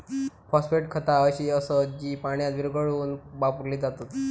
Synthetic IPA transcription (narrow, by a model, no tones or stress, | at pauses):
pʰɔspeʈkʰət̪aəɕiːəsəd͡ʑiːpaɽ̃jat̪ʋiɾɡəɭuːnbapuɾliːd͡zat̪ot̪